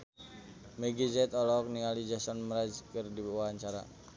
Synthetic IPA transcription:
meɡizɛt̪ɔlɔk̚nialid͡ʒasɔnməɾad͡ʒkɨrdiwaɦaɲt͡ʃaɾa̰

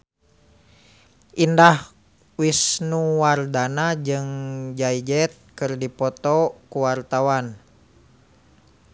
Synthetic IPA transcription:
ʔindah | wisnuwardanad͡ʒɨŋd͡ʒaid͡ʒɛt̪̚kɨrdipɔt̪ɔkuwart̪awan

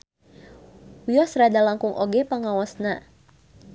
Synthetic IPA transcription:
wiɔsɾadalaŋkuŋʔoɡɛpaŋawasna

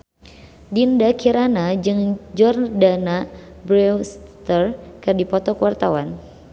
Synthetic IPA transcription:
dindakʰiɾanad͡ʒɨŋd͡ʒɔrdana | bɾɛwst̪ərkɨrdipɔt̪ɔkuwart̪awan

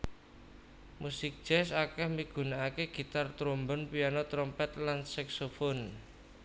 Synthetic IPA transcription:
musɪk̚d̥d͡ʒ̥ɛsakɛhmiɡ̥ṳnaakeɡ̥i̤t̪art̪ɾombɔnpianɔt̪ɾɔmpɛt̪lansaksofon

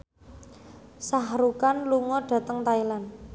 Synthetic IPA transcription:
saɦɾukanluŋɔɖ̥ä̤t̪əŋt̪ailan

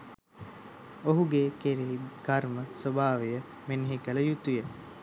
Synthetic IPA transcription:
oɦuɡekeɾeɦiɡarməsobaːʋejə | meniɦikələjut̪ujə

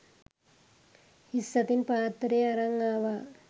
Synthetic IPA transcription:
hisːɐt̪inpaːt̪ɾeːɐɾɐŋːaːʋa

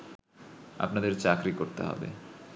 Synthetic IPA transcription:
a̰pnad̪eɾt͡ɕakɾikoɾt̪eɦɔ̰bḛ

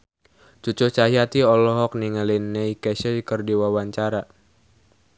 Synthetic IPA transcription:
t͡ʃut͡ʃut͡ʃaɦijat̪iɔlɔɦɔk̚niŋalinːɛikɛsəkərdiwawaɲt͡ʃaɾa

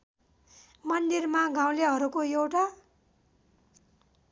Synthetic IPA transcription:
mʌnd̪irmaɡʱãw̃leɦʌɾukoewʈa

